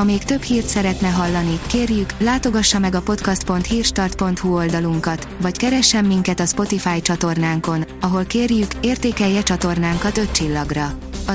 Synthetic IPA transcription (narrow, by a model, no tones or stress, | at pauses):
ɒmeːkt̪ø̞phiːrt̪sɛɾɛt̪nɛɦɒlːɒnikeːrjyklaːt̪o̞ɡɒʃːɒmɛɡɒpo̞t̪kɒst̪̚po̞nt̪hiːrʃt̪ɒrt̪̚po̞nt̪huo̞ld̪ɒluŋkɒt̪vɒckɛɾɛʃːɛmːiŋkɛt̪ɒspo̞t̪ifaːjt͡ʃɒt̪o̞rnaːŋko̞nɒɦo̞lkeːrjykeːrt̪eːkɛjːɛt͡ʃɒt̪o̞rnaːŋkɒt̪ø̞t̪t͡ʃilːɒɡrɒ | ɒ